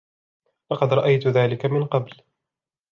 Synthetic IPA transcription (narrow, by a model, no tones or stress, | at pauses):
lɑqɑd̪ɾˤɑʔajt̪ʊðaːlɪkamɪnqɑbl